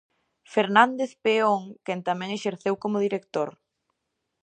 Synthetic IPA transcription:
feɾnand̪eθpeoŋkɛnt̪amɛ̃ŋeʃeɾθewkomʊðiɾekt̪oɾ

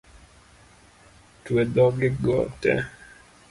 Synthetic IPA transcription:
twed̪ɔɡɪɡɔ̰tɛ̰

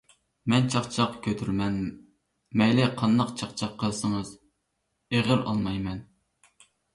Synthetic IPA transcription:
mɛnt͡ʃʰɑχt͡ʃʰɑqkʲʰøt̪ʰyɾmɛn | mɛjlɪqʰɑnd̪ɑqt͡ʃʰɑqt͡ʃʰɑqʰːəlˠsɨŋɨz | eʁɪɾɑ̰lˠmɑjmɛn

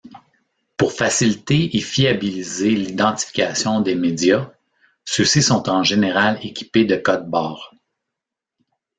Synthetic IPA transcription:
pʊʁfasilit̪eːfiabilizelid̪ɑ̃t̪i̥fi̥kʲasjɔ̃d̪emedd͡z̪ja | søsisɔ̃t̪ɑ̃ʒeneʁalekʲi̥ped̪əkɔd̪̚bɑːʁ

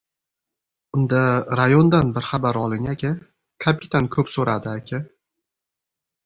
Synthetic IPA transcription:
ʊnd̪aɾajond̪anbɪɾχabaɾɒlˠɪŋakʲʰɪ | kʰapʰɪ̥t̪ʰankʰɵpsoɾad̪ɪakʲʰɪ

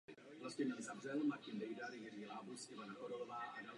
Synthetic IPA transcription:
vlascɛɲɛlzavrɛlmacɪndɛjdaɾjɛrilaːbusʔɪvanaxoɾolovaːʔadal

